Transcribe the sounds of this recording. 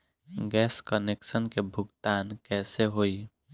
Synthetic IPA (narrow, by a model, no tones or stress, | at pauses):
ɡɛːskənekʃənkebʱʊɡt̪aːnkɛːseɦoːi